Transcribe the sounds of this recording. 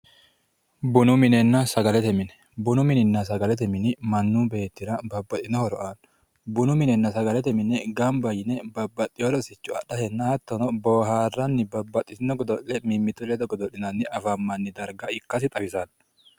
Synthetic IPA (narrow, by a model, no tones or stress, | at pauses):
bʊnʊmɪnɛnːɐsɐɡɐlɛt̪ɛmɪnɛ̥ | bʊnʊmɪnɪnːɐs̬ɐɡɐlɛt̪ɛmɪnɪmɐnːuːbe̞ːt̪ːɪɾɐbɐbːɐt̪ːɪnɔhɔɾɔʔan | bʊnʊmɪnɛnːɐsɐɡɐlɛt̪ɛmɪnɛɡɐmbɐjɪnɛbɐbːɐt̪ʼːɪjɔɾɔsɪt͡ʃːʊɐ̰ɗɐhɛnːɐhɐt̪ːɔnɔboːɦaːrːɐnːɪbɐbːɐt̪ʼːɪtɪnɔɡɔd̪ɔʔɛmimːɪt̪ːʊlɛd̪ɔɡɔd̪ɔʔɪnɐnːɪʔɐfɐmːɐnːɪd̪ɐɾɡɐɪkːɐs̬ɪt̪ʼɐwɪsɐn